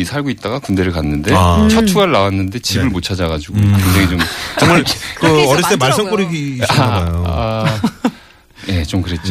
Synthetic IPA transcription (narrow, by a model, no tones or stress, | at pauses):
isʰaɭɡoit̚t͈aɡakunde̞ɾɯɭkanːɯnde̞t͡ɕʰʌtʰuɡaɭːawanːɯnde̞t͡ɕibɯɭmot͡ɕʰad͡ʑaɡad͡ʑiɡokɯnd͡ʑeɡet͡ɕomt͡ɕʌŋmaɭkɯʌɾit͈emaɭs̬͈ʰʌŋk͈oɾiɡiajoa | je̞t͡ɕomkɯɾe̞t̚t͡ɕ͈o